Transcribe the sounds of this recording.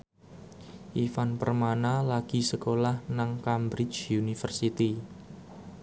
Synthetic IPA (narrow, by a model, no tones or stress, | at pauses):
ʔifanpərmanalaɡ̥i̤səkolahnaŋkambɾɪt͡ʃjunifərsit̪i